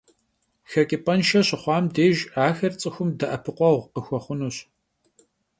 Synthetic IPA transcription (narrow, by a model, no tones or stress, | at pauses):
xɐkʲʼɪpʼɐnʃɐɕɪχʷɑːmdeːʒaːxɐrt͡sʼɨxʷʊmdɐʔɐpʰɨqʷɔʁʷqəxʷɔχʷʊnuɕ